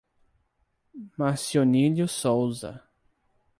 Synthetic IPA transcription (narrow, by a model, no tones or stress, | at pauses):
masioniljʊsowzɐ̰